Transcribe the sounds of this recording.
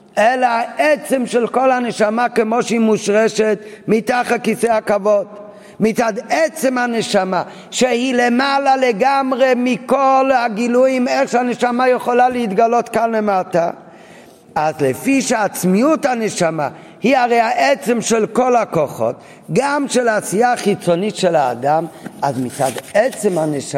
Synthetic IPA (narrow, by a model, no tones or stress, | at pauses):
ɛlaaʔɛt͡sɛmʃɛlkolhanəʃamakemoʃeimuʃʁɛʃɛtmit̪aχakisejakavod̪ | mit͡sad̪ɛt͡sɛmhanəʃama | ʃehilemalaleɡamʁemikolhaɡiluimɛχʃeanɛʃamajɛχolalɛitɡalotkanlemata | azlɛfiʃeaːt͡smiuthanɛʃama̰ | hiaʁejaʔɛt͡sɛmʃɛlkolakoχo̰t | ɡamʃɛlasiaχit͡sonitʃɛla̰ːdamazmit͡sad̪ɛt͡sɛmhanɛʃ